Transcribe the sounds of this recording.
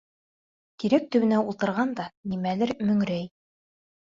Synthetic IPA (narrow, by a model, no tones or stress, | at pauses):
k̪iɾæk̚t̪ɵ̆wɘ̆næulˠt̪ɤ̆ɾʁɑnd̪ɑnimælɘɾmɵ̆ŋɾæj